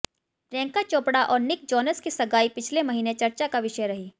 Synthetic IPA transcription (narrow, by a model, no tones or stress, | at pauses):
ʈɾɛ̃ːŋkat͡ʃoːpɽaʔɔːɾnɪk̚d͡ʒɔːnəskisɐɡaːipɪt͡ʃʰlemɐɦiːnet͡ʃɐɾt͡ʃakaʋɪʃəjɾɐɦiː